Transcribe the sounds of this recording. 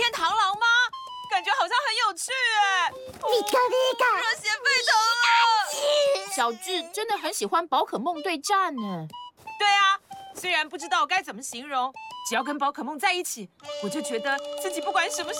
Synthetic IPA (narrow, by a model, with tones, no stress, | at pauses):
jɛ˥˧nt̪ʰɑ˧˥ŋlɑ˧˥ŋma˧ | ka˨˩nt͡ɕɥɛ˧˥xɑ˨˩ʊɕjɑ˥˩ŋxə˧˦njo˨˩ʊt͡ɕʰy˥˩ɛ˩ | li˨˩kə˥li˥ka˨˩o˧˥ɕjɛ˧˥nfe˥ɪt̪ʰo˧˥ | ɕjɑ˨˩ʊʈ͡ʂɻ̩˥˩ʈ͡ʂə˥nd̪ə˨xə˧˥nɕi˨˩xwa˥npɑ˧˥ʊkʰɤ˨˩mʊ˥˧ŋt̪we˥˧ɪʈ͡ʂa˥˩nə˩t̪we˥˩ɪa˩swe˥ɪɻa˧˥npu˥˩ʈ͡ʂɻ̩˥t̪ɑ˥˩ʊ˨˩ka˥ɪt͡sə˨˩mə˦ɕi˧˥ŋɻʊ˧˥ŋʈ͡ʂɻ̩˨˩jɑ˥˩ʊkə˥npɑ˧˥ʊkʰɤ˨˩mʊ˥˧ŋt͡sa˥˧ɪi˥˩t͡ɕʰi˨˩˦wɔ˨˩t͡ɕjo˥˩ʊt͡ɕɥɛ˧˥d̪ə˧t͡sɹ̩˥˩t͡ɕi˨˩pu˥˩kwa˧˥nʂə˧˥nmə˧